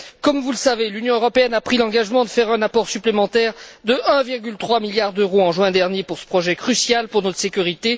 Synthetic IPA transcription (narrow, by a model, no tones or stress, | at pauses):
kɔmvuləsavelynjɔ̃øʁɔpeɛnapχilɑ̃ɡaʒmɑ̃d̪əfɛʁɛ̃napɔʁsyplemɑ̃t̪ɛʁd̪əʔɛ̃viʁɡʲylt̪χwamiljaʁd̪øʁoɑ̃ʒɥɛ̃d̪ɛʁnjepuʁsə̥pχɔʒɛkχysjalpuʁnɔt̪χəsekʲyʁit̪e